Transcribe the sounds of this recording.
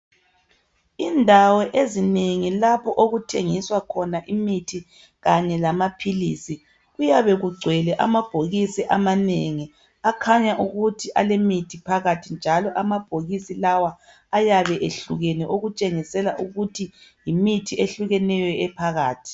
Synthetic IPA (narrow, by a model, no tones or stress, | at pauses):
indʱawɛʔezineŋilapʰɔʔoɣutʰeŋiswakʰɔnaʔimitʰi | ɣaɲɛlamapʰilḭːsi | ɣujaβɛɣuɡ͡ǀʱwɛlɛʔa̰mab̥ʱoɣisiʔamaneŋi | akʰaɲaʔuɣutʰiʔalemitʰipʰaɣatʰind͡ʒʱalɔʔamab̥ʱoɣisilawaː | jaβɛʔeɬuɣɛnɛʔoɣut͡ʃʼeŋisɛlaʔuɣutʰijimitʰiʔeɬuɣɛnɛjɛɛpʰaɣaːtʰi̥